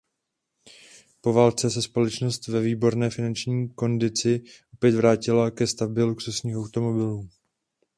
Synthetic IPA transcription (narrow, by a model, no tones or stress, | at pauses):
po̞vaːlt͡sɛsɛspo̞lɛt͡ʃno̞st̪vɛviːbo̞ɾnɛːfɪnant͡ʃɲiːko̞ndɪt͡sɪʔo̞pjɛt̪vɾaːcɪlakɛst̪abɪluksusɲiːxʔawt̪o̞mo̞bɪluː